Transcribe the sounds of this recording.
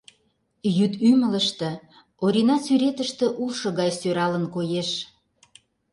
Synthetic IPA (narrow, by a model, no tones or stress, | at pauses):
jyt̪ymələʃt̪ĕ | oɾʲinɑsyɾet̪əʃt̪ĕʔuʃɤ̆ɣɑjsøɾɑlənkojeʃ